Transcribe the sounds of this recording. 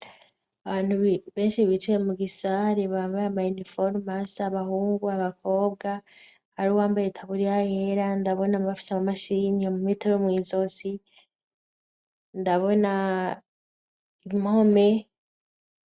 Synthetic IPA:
aβaːn̥huββe̞ːnʃiβit͡ʃijemuɡisaɾeβaːmbajamajunifoɾmasaβahuːŋɡuaβakʰo̞ːb̚ɡa | haɾiwaːmbajetʰaβuɾiajeɾandaβo̞namβafi̥semumaʃiniomumitoɾomŋiːzo̞si | ndaβo̞na | iimhome̞

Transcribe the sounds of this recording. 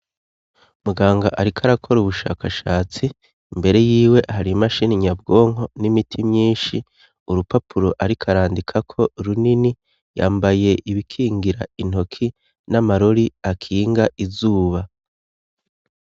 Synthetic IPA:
umuɡaːŋɡaʔaɾikʰaɾakʰo̞ɾuβuʃa̰ːkʰaʃaːt͡si | mbe̞ɾe̞jiːwe̞ʔaɦaɾimaʃiːniɲab̚ɡo̞ːŋo̞nimitʰimɲiːnʃi | uɾupapʰuɾo̞ʔaɾikʰaɾaːndikʰakʰo̞ɾunini | jaːmbaje̞ʔiβikʰiːŋɡiɾa̰in̥o̞kʰi | namaɾo̞ɾiakʰiːŋɡaʔizuːβa

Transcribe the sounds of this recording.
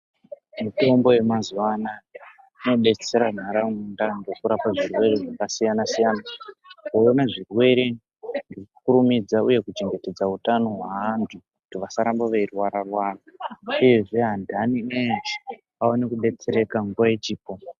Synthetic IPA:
mito̞mbo̞je̞mazuwana | ino̞ɗe̞t͡se̞ɾan̤aɾamundandokuɾapaʐirwe̞ɾeʐakasijanasijanakoonaʐirwe̞ɾe̞ | nɡirkukuɾumid͡zauje̞kut͡ʃe̞ŋɡe̞te̞d͡zautano̞ɦwaɦantʰukutiʋasaɾambaʋeirwaɾarwaːrauje̞ʐe̞ɦandaniend͡ʒi | aonekuɗe̞t͡se̞ɾe̞kaŋɡuʋajet͡ʃiːpo̞

